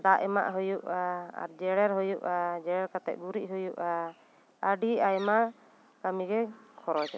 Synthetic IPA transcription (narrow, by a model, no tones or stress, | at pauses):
d̪aʔɛma̰ʔɦujuʔaa̰ɾd͡ʒɛɽɛɾɦɔjuʔad͡ʒɛɽɛɾkat̪ɛ̰ʔ̪̚ɡuɾiʔ̚ɦujuʔa | əɖiajɛmaʔ | kamiɡɛkʰɔɾɔt͡ʃɛ